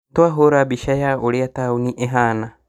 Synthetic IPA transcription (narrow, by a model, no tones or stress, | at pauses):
t̪oaɦoɾabiʃajaoɾeat̪auniʔeɦana